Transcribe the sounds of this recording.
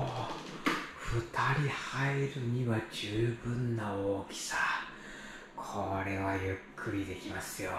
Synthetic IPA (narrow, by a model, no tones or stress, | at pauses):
o | ɸɯ̟t̪ʰaɾʲihaeɾɯ̟ɲ̟iβad͡ʑɨːbɯ̟̃nːaoːkʲi̥sa | kʰoɾe̞βajɯkʰːɯɾʲid̪e̞kʲimasɨjo